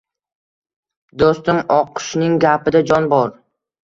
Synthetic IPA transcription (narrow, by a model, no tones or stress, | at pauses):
d̪ost̪ɪmɒqʰʊ̥ʃnɪŋɡʲapʰɪd̪ad͡ʒɒnbɒɾ